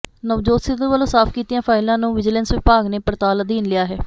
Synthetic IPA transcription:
nəʋd͡ʒoːt̪sɪd̪əʋəlõːsaːpʰkiːt̪ijãːpʰaːɪlãːnũːʋɪd͡ʒɪlənsʋɪpaːɡneːpəɾt̪aːləd̪iːnlɪjaːɦɛː

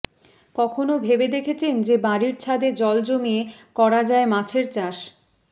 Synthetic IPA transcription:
kɔkʰonobʱebed̪ekʰet͡ɕʰend͡ʑebaɾiɾt͡ɕʰad̪ed͡ʑɔld͡ʑomiekɔɾad͡ʑaemat͡ɕʰeɾt͡ɕaʃ

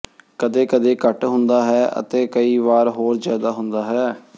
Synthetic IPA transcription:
kəd̪eːkəd̪eːkəʈɦʊnd̪aːɦɛːʔə̰t̪eːkəiːʋaːɾɦoːɾzjaːd̪aːɦʊnd̪aːɦɛː

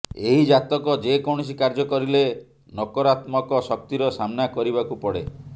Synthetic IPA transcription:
eɦid͡ʒat̪ɔkɔd͡ʒekɔɳ̃ɔsikaɾd͡ʒɔkɔɾile | nɔkɔɾat̪mɔkɔsɔk̚t̪iɾɔsamnakɔɾibakupɔɽe

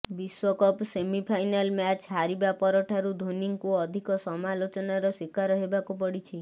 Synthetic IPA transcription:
biswɔkɔpsemipʰajnalmat͡ʃɦaɾibapɔɾɔʈʰaɾud̪ʱoniŋkuɔd̪ʱikɔsɔmalot͡ʃɔnaɾɔswikaɾɔɦebakupɔɽit͡ʃʰi

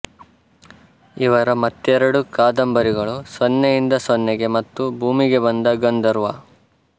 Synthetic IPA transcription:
iʋɐɾɐmɐt̪ːɛɾɐɽukaːd̪ɐmbɐɾiɡɐɭusʋɔnːejind̪ɐsʋɔnːɛɡe̞mɐt̪ːubʱuːmiɡe̞bɐnd̪ɐɡɐnd̪ɐɾuʋɐ̰

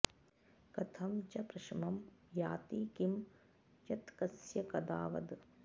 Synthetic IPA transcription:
kɐt̪ʰɐmt͡ʃɐpɾɐʃmɐmjaːt̪iːkim | t͡ʃɐt̪kɐsjɐkɐd̪a̰ːʋɐ̰d̪

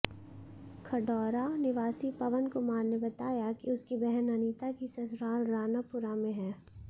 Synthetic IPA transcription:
kʰɐɖɔːɾanɪʋaːsipɐʋənkʊmaːɾnebɐt̪aːjakiʊskibɛɦɛnɐniːt̪akisɐsɾaːlɾaːnapʊɾamẽɦɛː

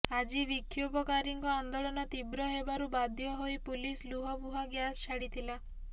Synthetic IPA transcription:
ad͡ʒibikʰjubɔkaɾiŋkɔand̪ɔɭɔnɔt̪ibɾɔɦebaɾubad̪ʱjɔɦoipulisluɦɔbuɦaɡjast͡ʃʰaɽit̪ʰila

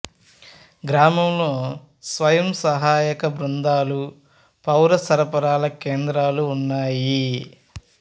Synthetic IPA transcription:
ɡɾaːmɐmlo̞ː | sʋɐjɐmsɐɦaːjɐkɐbɾund̪aːlu | pɐwɾɐsɐɾɐpɐɾaːlɐkeːnd̪ɾaːluːnːaːji

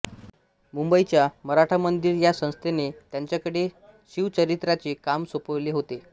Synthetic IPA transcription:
mumbəit͡ɕjaməɾaʈʰamənd̪iɾjasə̃w̃st̪ʰenet̪jaɲt͡ɕjakəɽe | ɕiʋt͡ɕəɾit̪ɾat͡ɕiːkamsopəʋleːɦot̪e

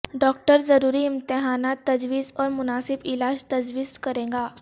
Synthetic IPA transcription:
ɖɔːk̚ʈəɾd͡zəɾuːɾiɪmt̪ɪɦaːnat̪ːəd͡ʒʋiːzɔːɾmʊnaːsɪbɪlaːd͡ʑt̪əd͡ʒʋiːzkəɾẽːŋɡaː

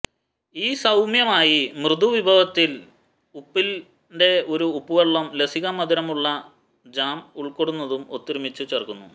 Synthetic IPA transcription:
iːsɐwmjɐmaːjimrɨd̪uʋibʱɐʋɐt̪ːil | upːil | nde̞o̞ɾuːpːuʋeɭːɐmlesiɣɐmɐd̪iɾɐmuɭːɐ | d͡ʑaːmuɭkoɽunːɐðumo̰t̪ːiɾumit͡ɕːut͡ɕerkunːṵ

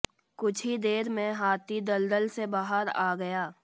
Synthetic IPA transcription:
kʊt͡ʃʰid̪eːɾmẽɦaːt̪ʰid̪ɐld̪əlsebaːɦəɾaːɡɐjaː

